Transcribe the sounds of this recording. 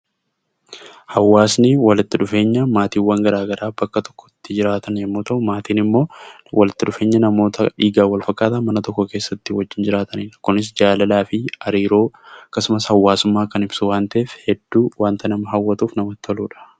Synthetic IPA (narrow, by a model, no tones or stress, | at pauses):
hɐwːaːsnɪwɐlɪt̪ːɪᶑʊfe̞ːɲːɐmaːt̪iːwːɐŋɡɐɾaːɡɐɾʔaːbɐkːɐt̪ɔ̥kːɔ̥t̪ːɪd͡ʒɪɾaːt̪ɐnjɐmːuːt̪ɐʔʊmaːt̪iːnɪmːo̞ː | wʔɐlɪt̪ːɪᶑʊfe̞ːɲːɐnɐmo̞ːt̪ɐᶑiːɡaːwɐlfɐkʼːaːt̪ɐmɐnɐt̪ɔkːɔke̞ːsːɐt̪ːɪwɐd͡ʒːɪnd͡ʒɪɾaːt̪ɐnɪːᶑɐkʊnɪs̬d͡ʒaːlɐlaːfɪɐɾiːɾo̞ːɐkːɐsʊmɐshɐwːaːsʊmːaːkɐnɪbsʊwaːnt̪ɐʔeːfhɛd̪ːuːwaːnt̪ɐnɐmɐɦɐwːɐt̪uːfnɐmɐt̪ːɐluːᶑɐ̥